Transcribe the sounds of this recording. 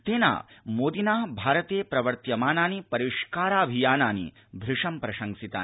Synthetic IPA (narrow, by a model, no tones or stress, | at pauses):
t̪eːna̰ːmoːd̪inaːbʱaːɾɐt̪eːpɾɐʋɐɾt̪jɐmaːnaːnipɐɾiʂkaːɾaːɐbʱijaːnaːnḭ | b̪ʱɾɪʂɐmpɾɐʃɐŋsit̪a̰ː